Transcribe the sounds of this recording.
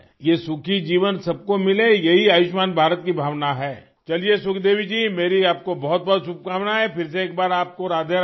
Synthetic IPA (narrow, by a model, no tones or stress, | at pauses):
jesʊkʰid͡ʒiːʋənsɐb̚komɪlejɐɦiaːjʊʃmaːnbʱaːɾət̪̚kibʱaːʋnaɦɛː | t͡ʃɐliesʊkʰd̪eːʋ̤id͡ʒiːmeːɾiaːp̚kobɔɦɔt̪̚bɔɦːt̪sʊp̚kaːʋnaɦɛfɪɾs̬eeːk̚baːɾaːp̚koɾaːd̪ʱe